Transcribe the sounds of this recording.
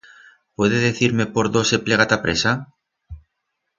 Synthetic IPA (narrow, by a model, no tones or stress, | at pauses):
pweðeðeθiɾme̞poɾðosepleɣ̞at̪apɾesa